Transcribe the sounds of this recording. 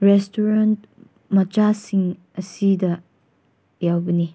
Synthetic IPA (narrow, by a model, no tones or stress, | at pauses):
ɾestʰuɾant | mɐt͡ʃasiŋ | ɐsidɐ | jawbɐni